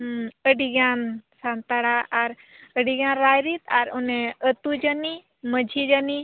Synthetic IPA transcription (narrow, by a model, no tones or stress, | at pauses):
əɖiɡansant̪aɽaʔaɾ | əɽiɡãnɾajɾit̪aɾuneət̪ud͡ʒəni | məd͡ʒʱid͡ʒani